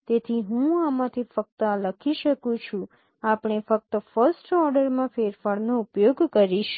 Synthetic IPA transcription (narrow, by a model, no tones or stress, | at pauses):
t̪et̪ʰiɦũamãt̪ʰifək̚t̪əaləkʰiʃəkũt͡ʃʰũ | apɳ̃efək̚t̪əfəɾsʈɔɾɖəɾmãfeɾfaɭnoupjoɡkəɾiʃ